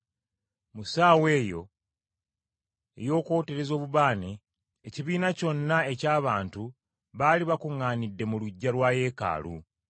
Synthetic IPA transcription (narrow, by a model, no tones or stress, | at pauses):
musaːwe̞ːjo̞ | ejo̞ːko̞ːte̞ɾe̞zo̞ːβuβaːneː | ciβiːnaco̞nːae̞caːβaːntu | βaːliβakuŋːaːnidːe̞muluɟːalwaːje̞ːka̰ːlṵ